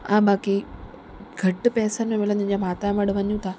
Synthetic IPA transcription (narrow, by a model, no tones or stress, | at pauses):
ãbaːki | ɡʱɐʈpɛːsənmẽmeːlãt̪ːɲd͡ʑamaːt̪amɐɽʋɐɲũt̪ʰa